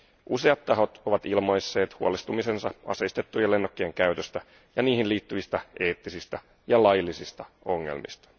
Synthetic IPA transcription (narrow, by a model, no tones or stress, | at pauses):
ʔuse̞ɑt̪ːɑɦo̞t̪o̞ʋɑt̪ilmojsːe̞ːt̪huolest̪umise̞nsɑɑ̰seist̪et̪ːujɑle̞nːokːeeŋkæyt̪øst̪æ | jɑniːhinliːt̪ːyʋist̪æʔe̞ːt̪ːisist̪æ | jɑlɑjilːisist̪ɑ | o̞ŋːḛlmḭst̪ɑ̥